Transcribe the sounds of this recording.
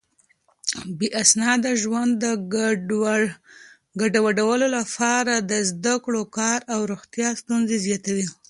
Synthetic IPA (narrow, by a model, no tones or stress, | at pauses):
beʔasnɑd̪aʒwand̪ə | ɡaɖawaɖawəlolapɑɾad̪əzd̪akɽokɑɾawɾoɣt̪jɑst̪unzezjɑt̪awi